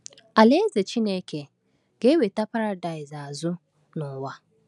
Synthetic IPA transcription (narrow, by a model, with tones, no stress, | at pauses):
a˨le˦ze˨t͡ʃi˦ne˦ke˨ | ɡ̥e˦we˨ta˦pa˦ɾa˦da˨ɪ˨za˨a˨zʊ˦ | nʊ˨wa˦